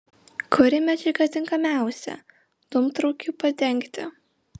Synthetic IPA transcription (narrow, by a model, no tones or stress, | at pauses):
kʰʊɾʲɪmʲɛd͡ʒʲɛɪkɐt̪ʲɪŋkɐmʲæˑʊsʲɛ̰ | d̪̥ʊmt̪ɾɔʊkʲuːpɐt̪ʲɛŋʲkt̪ʲɪ